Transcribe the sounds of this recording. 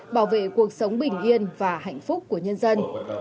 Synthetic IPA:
ɓaː˧˩wvḛ˧˨ku˨˩ək̚sə˨˦wŋ͡mɓï˨˩ŋ̟ʔi˧ənvaː˨˩ɦa̰˧˨jŋ̟fʊ˦˥k͡p̚ku˧˩əɲə˧nzə˧n

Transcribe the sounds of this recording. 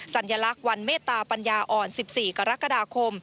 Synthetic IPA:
sa˨˩˦nja˧la˦˥k̚wa˧nmeː˥˩t̪ːaː˧pa˧njaː˧ʔɔː˨˩nsi˨˩p̚siː˨˩ka˧ɾa˦˥ka˧daː˧kʰo˧m

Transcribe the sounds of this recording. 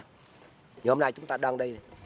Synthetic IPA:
ɲi˨˩ho˧˩na˧˩jt͡ɕʊ˨˦ŋ͡mt̪aː˧ɗɔ˧ŋɗi˧j

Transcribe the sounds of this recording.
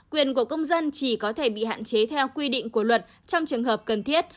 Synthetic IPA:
kwi˨˩ənku˧˩əkə˧wŋ͡mzə˧nt͡ɕi˧˩kɔ˨˦t̪ʰe˧˩ɓḭ˧˨ha̰ː˧˨nt͡ɕe˨˦t̪ʰɛ˧wkwi˧ɗḭ̈˧˨ŋ̟ku˧˩əlwə˨˩t̚ | t͡ɕɔ˧wŋ͡mt͡ɕɨ˨˩əŋɦəː˨˩p̚kə˨˩nt̪ʰi˦˥ət̚

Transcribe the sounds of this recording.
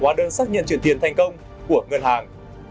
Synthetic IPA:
waː˨˦ɗəː˧nsaː˦˥k̚ɲə̰˧˨nt͡ɕw̰nt̪i˧˩ənt̪a˨˩jŋ̟kə˧wŋ͡m | ku˧˩əŋə˧nhaː˨˩ŋ

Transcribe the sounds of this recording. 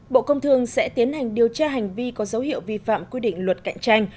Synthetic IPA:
ɓo̰˧˨kə˧wŋ͡mt̪ʰɨ˨˩əŋsɛ̰˧˥t̪i˨˦ənha˨˩jŋ̟ɗi˨˩əwt͡ɕaː˧ɦa˨˩jŋ̟vi˧kɔ˨˦zə˨˦whḭ˧˨əwvi˧fa̰ː˧˨mkwi˧ɗḭ̈˧˨ŋ̟lwə˨˩t̚ka̰˧˨jŋ̟t͡ɕa˧jŋ̟

